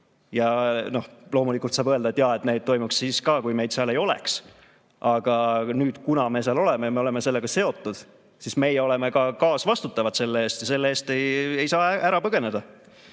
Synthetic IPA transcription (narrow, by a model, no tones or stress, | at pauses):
jɑno̞hlo̞ːmulikˑult̪sɑːb̥ɤeld̪ɑet̪jɑe̞t̪ːne̞jd̪̚t̪o̞jmuksːiːskɑːkujme̞jd̪sɑle̞jo̞lḛks | ʔɑɡ̥ɑnyːd̪̥kunɑme̞seɑlo̞le̞mejme̞o̞le̞me̞se̞lːe̞ɡ̥ɑse̞o̞t̪ːˑud̪̥ | sisme̞jɛo̞leme̞kɑkɑːsvɑst̪ut̪ːˑɑvɑd̪̥se̞lːee̞ːst̪jɑse̞lːeeːst̪e̞jejsɑːæɾɑpɤɡ̥e̞ne̞d̪̥ɑ